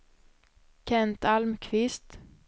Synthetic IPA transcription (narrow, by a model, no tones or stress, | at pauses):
kʰɛnt̪ʰalmkʰvɪst̪